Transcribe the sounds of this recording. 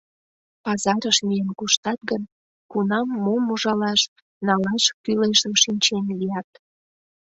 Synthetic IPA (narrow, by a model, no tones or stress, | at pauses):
pɑzɑɾəʃmijenkuʃt̪ɑt̪̚ɡən | kunɑmːomuʒɑlɑʃ | nɑlɑʃkyleʒəmʃinʲt͡ɕenlijɑt̪